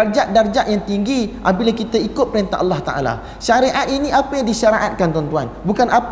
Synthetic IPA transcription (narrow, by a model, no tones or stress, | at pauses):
ard͡ʒaʔ̚dard͡ʒaʔjaŋt̪iŋɡiʔa̰bilakit̪aikʊt̪̚pəɾint̪a̰ʔɑlːɑht̪a̰ʔa̰la̰ | ʃaɾeʔat̪̚iniapajaŋdiʃaɾaʔat̪̚kant̪ɔnt̪uanbukanʔap